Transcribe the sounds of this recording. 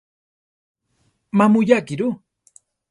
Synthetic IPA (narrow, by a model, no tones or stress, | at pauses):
mamujakiɾu